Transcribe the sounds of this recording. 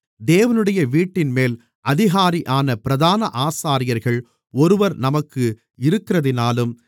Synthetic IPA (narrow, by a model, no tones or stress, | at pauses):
d̪eːʋɐnɯɽɐjɐʋiːʈːɪnmeːl | ɐðɪɣaːɾiʔaːnɐpɪɾɐðaːnɐʔaːsaːɾɪjɐɾɣɐɭ | ɔɾɯʋɐɾnɐmɐkːɯ | ɪɾɯkːɪrɐðɪnaːlɯm